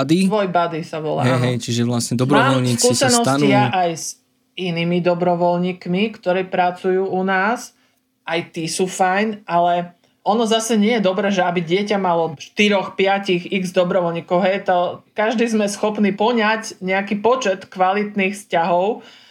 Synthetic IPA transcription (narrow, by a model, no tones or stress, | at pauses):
ad̪iʋɔjbad̪isaʋɔ̰la̰ɦɛɛjɦɛjt͡ʃiʒɛʋlasɲɛd̪ɔbɾɔaʋɔlɲiːst͡skːisɛnɔsɪaʔajz | ʔiniːmid̪ɔbɾɔʋɔlɲiːkmikt̪ɔɾɛːpɾat͡sujuːʔunaːs | ʔajt̪isufajnʔalɛ | ɔnɔzasɛɲɪɛjɛd̪ɔbɾɛːʒɛabiɟɪɛcamalɔʃt̪iɾɔxpɪacixiɡzd̪ɔbɾɔʋɔlɲiːkɔʊɦɛjt̪ɔkaʒd̪iːzmɛsxɔpniːpl̩ɲacɲɛakiːpɔt͡ʃɛt̪kʋalit̪niːxfscaɦɔʊ